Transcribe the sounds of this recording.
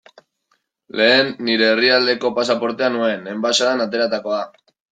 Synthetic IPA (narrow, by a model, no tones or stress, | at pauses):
le̞ːnːiɾe̞ːriald̪e̞ko̞pasapo̞ɾt̪e̞anue̞ne̞mbasaðanat̪e̞ɾat̪ako̞a